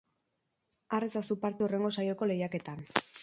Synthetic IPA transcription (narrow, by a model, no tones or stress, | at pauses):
aret͡sasupaɾt̪eure̞ŋɡo̞sajo̞ko̞le̞jake̞t̪an